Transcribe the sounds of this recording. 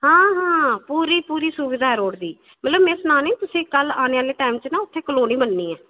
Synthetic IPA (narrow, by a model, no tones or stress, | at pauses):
hãːɦãːpuːɾiːpuːɾiːsʊʋɪd̪ʱaːɾoːɽd̪iː | mət̪ləbmẽːsnaːnẽːt̪ʊsĩːkəlaːneːaːleːʈaːimt͡ʃnãːʊt̪ʰːeːkəloːnĩːbənːiːɛː